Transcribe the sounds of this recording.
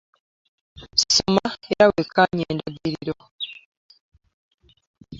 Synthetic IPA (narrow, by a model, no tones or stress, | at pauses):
ssomaeɾawekaɲeːndaɡiɾiɾo